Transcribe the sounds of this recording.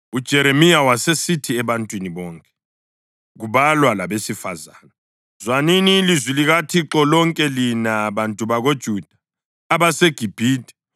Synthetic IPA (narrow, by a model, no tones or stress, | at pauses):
ud̥ʒ̥ʱɛɾemijawasesitʰiɛβantʼwiniβɔːŋkʼɛ̥ | ɣuβalwalaβesifaza̰ːna | zwaniniːlizwiliɣatʰiǁɔlɔŋkʼɛlinaβantʼuβaɣod̥ʒ̥ʱud̥ʱaː | βaseɡ̥ʱib̥ʱiːd̥ʱɛ